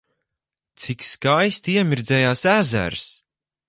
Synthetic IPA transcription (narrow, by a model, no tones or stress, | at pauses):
t̪sikskajst̪iɛmʲiɾd̪zɛːjaːsæzæ̰ɾs